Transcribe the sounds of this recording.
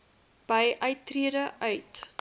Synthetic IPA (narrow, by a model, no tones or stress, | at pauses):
b̥əjʔœɥtːriədəʔœɥt